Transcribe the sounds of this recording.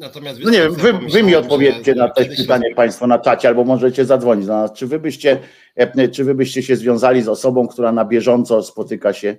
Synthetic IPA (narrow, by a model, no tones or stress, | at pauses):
nɔɲɛvjɛmvɘvɘmʲiɔt̪̚pɔvʲjɛt̪t͡ɕɛnat̪ɔjs̚pɘt̪aɲɛpaj̃st̪fɔnat͡ʂat͡ɕɛalbɔmɔʐɛt͡ɕɛzad̪zvɔɲid͡ʑd̪anast͡ʂɘvɘbɘɕt͡ɕɛ | t͡ʂɘvɘbɘɕt͡ɕɛɕɛzvʲjɔ̃w̃zalʲizɔsɔbɔ̃w̃k̚t̪uɾanabʲjɛʐɔnt̪sɔspɔt̪ɘkaɕɛ